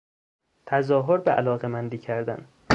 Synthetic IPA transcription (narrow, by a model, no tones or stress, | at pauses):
t̪ʰæzɒːɦoɾbeʔæ̰lɒːɣemænd̪iːcʰæɾd̪æ̰n